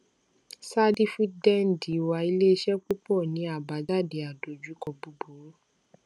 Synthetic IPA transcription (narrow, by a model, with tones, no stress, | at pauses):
sa˦di˦fu˦dɛ˦˨n˨di˨wa˧i˧le˦i˦ʃɛ˦k͡pu˦k͡pɔ˦˨nĩ˨˦a˦˨ba˨˦da˦˨de˨a˨do˨d͡ʒu˨˦kɔ˧bu˧bo˨˦